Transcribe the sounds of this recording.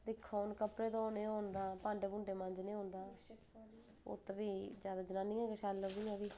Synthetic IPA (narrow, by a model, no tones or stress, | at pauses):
d̪ɪkʰːaːnkəpɾeːt̪õːnẽːɦoːnd̪aːpãːɳɖeːbʊ̃ːɳɖeːmə̃nd͡ʒnẽːɦõːnd̪aː | o̰ːt̪ːbiːd͡ʒjaːd̪aːd͡ʒənaːnĩːɛːkəʃaːlːəd̪iːãːbiː